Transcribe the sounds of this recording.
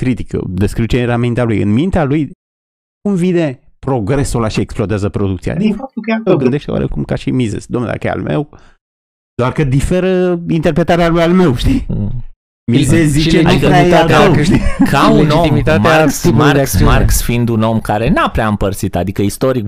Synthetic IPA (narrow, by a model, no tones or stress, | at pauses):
kɾit̪ikə̰d̪eskɾiuwt͡ʃeeɾamint̪ealujɨ̰nmint̪ealuj | kumvid̪e̞pɾo̞ɡɾe̞sulaʃieksplod̪eazəpɾo̞d̪ukt̪sia̰d̪ifak̚t̪ukʲaoɡɨnd̪e̞ʃt̪ewa̰ɾʔḛkumkaʃimizḛsd̪omnṵd̪a̰kəjḛa̰lmḛw | d̪̥oarkəd̪ife̞ɾəint̪erpɾe̞t̪aɾealujalme̞wʃt̪i | mizeszit͡ʃek̪imialat̪ikaluend͡ʒiot̪imit̪at̪easipaɾd̪asmarksfind̪uno̞mkaɾe̞napɾeaɨmpərt̪sit̪ad̪ikəist̪o̞ɾik